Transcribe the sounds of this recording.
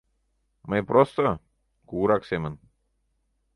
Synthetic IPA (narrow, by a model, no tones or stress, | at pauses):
mɐjpɾost̪o | kuːɾaksemən